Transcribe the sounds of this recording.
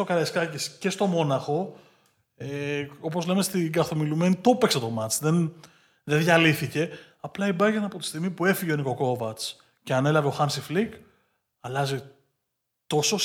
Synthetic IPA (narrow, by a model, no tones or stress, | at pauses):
okɐleskɐcesce̞st̪o̞mo̞nɐxo̞ | eo̞po̞zle̞mest̪iɡɐθo̞milume̞nit̪o̞pekset̪o̞mɐt͡sðen | ðeðʝɐliθice̞ | ɐplɐibɐʝenɐpo̞t̪i̥st̪iɣmipue̞fiʝeoniko̞ko̞vɐt͡s | ce̞ɐne̞lɐveo̞xɐmsiflik | ɐlɐzi | t̪o̞so̞